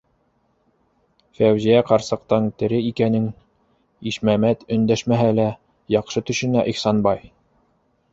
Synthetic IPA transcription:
fæwʑijæqɑɾsɤ̆qt̪ɑŋt̪ɘ̆ɾɘikænɘŋ | iʃmæmæt̪ɵ̆nd̪æʃmæɦælæ | jɑqʃɤt̪ɵ̆ʃɘ̆næʔixsɑnbɑj

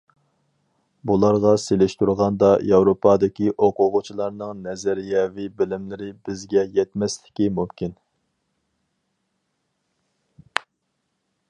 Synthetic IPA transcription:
bulˠɑɾʁɑselɪʃt̪uɾʁɑnd̪ɑjɑwɾopʰɑd̪ɪkʲiʔoqʰʊʁʊt͡ʃʰilˠɑɾnɨŋnɛzæɾjɛvibɪlɪmlɪɾɪbɪzɡʲɛjɛt̪mɛslɪ̥kʲimumkʲʰin

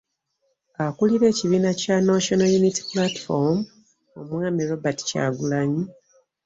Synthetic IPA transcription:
akuliɾe̞ːciβiːnacanaʃonajuniti̥plati̥fom | omwaːmiɾo̞bati̥ca̰ːɡulaɲi

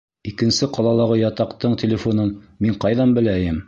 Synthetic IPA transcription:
ikɘ̆nsɘqɑlˠɑlˠɑʁɤjɑt̪ɑqt̪ɤɴt̪ʲelʲɪfonɤnmiɴqɑjðɑnbɘ̆læjɘm

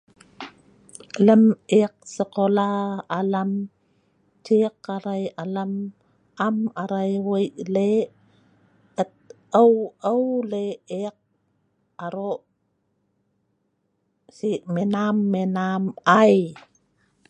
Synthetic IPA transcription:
ələmeq̚səkolaːlam | tiqaɾajalam | amaɾajwəjʔle | ət̪̚ | əwəwleeq̚ | aɾoʔ | siʔmenamːenamaj

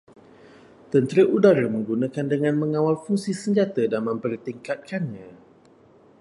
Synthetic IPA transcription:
t̪ənt̪ɾəʔudaɾəmə̃ŋɡunãkandəŋãnmə̃ŋãwalfuŋsisəŋd͡ʒat̪adanmə̃mpərt̪iŋkat̪̚kanɲã

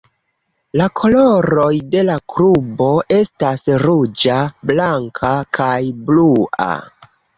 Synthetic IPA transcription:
lakʰo̞loɾo̞jde̞lakɾubo̞ʔe̞stasɾud͡ʒablaŋkʰakʰajblua̰

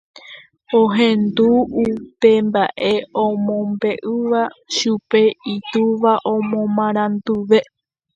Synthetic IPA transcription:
oɦẽnd̪uupe̞mbaʔe̞õmõmbe̞ʔɨʋaʃupe̞it̪uʋaʔõmõmãɾ̃ãnd̪uʋe̞

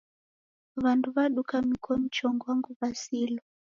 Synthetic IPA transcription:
ʋantuβaɗukamikʰwɔmit͡ʃɔŋɡwaŋɡuβasiːlɔ

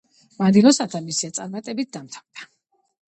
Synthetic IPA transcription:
mad̪ilˠɔsat̪ʰamisiat̪sʼaɾmat̪ʼɛbit̪̚d̪amt̪ʰavd̪a

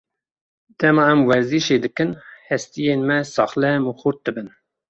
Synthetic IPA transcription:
d̪̥ɛmɑɛmwɛɾziʃeːd̪ɨkɨnhɛst̪ijeːnmɛsɑːχlɛmuxuɾt̪̚d̪ɨbɨn

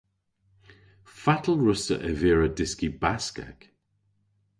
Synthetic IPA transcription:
fatʰəlˠɹʊsə̰ʔəvɪːɹədɪskibaska̰k

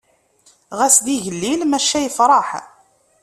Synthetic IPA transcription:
ʁæsd̪iʝəlːilmæʃːæjəfɾˤɑħ

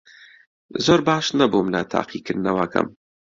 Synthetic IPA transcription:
zoːɾbaːʃnɐbumlɐt̪ʰa̰ːqʰikʰɨɾd̪nɐwɐkʰɐ̰m

